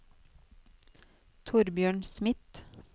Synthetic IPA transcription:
t̪ʰʊɾbjøːɳsmɪt̪

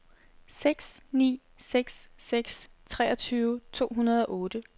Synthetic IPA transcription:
seɡ̥snḭː | seɡ̥sːeɡ̥st͡sʰʁɛ̰ːʔɒ̽t͡sʰyːʊt͡sʰo̝̰ːɦunɐð̞ˠɒ̽ʔɔ̽ːd̥ə

